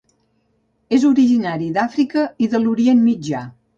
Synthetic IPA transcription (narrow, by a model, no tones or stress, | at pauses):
ezuɾiʒinaɾiðafɾikəiðəluɾienmid͡ʒa